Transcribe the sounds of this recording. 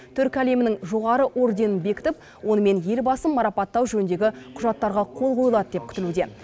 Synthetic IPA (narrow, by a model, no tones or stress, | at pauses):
t̪ʰʏɾkʲæle̞mɪnɪŋʒo̞ʁɑɾəʔo̞ɾd̪e̞nənbe̞kʲɪ̥t̪ɪp̚ | wo̞nəme̞nje̞lbɑsəmːɑɾɑpɑt̪ːɑwʒɵnnd̪e̞ɡʲɪqʰʊʒɑt̪ːɑɾʁɑqʰo̞lˠqʰo̞jəlˠɑd̪əd̪e̞p̚kʲʰʏ̥t̪ɪlud̪e̞̰